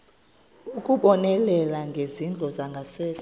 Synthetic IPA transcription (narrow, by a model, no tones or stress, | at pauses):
ukʼuɓɔnɛlɛlaŋɡʱezind͡ɮʱɔzaŋɡʱasɛːs